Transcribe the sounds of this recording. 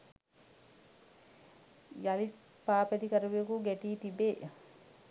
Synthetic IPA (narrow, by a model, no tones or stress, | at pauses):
jɐli | paːped̪ikɐɾuʋiokuɡeʈiːt̪ibeː